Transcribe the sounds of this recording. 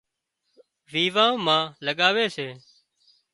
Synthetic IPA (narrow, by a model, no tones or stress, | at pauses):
ʋiːʋãːmãːləɠaːʋeːseː